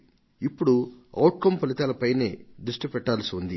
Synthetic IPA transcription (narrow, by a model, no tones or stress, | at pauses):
ipːuɽuɐwʈ̚kɐmpɐlit̪aːlɐpɐjneːd̪ɾuʂʈipɛʈːaːlɐsiund̪i